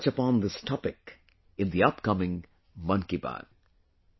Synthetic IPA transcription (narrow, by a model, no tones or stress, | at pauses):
t͡ʃəpɑ̃nðɪstʰɑpɪk | ɨ̃nðiʌpkʌmɪ̃ŋ | mʌ̃nkibæ̰̃n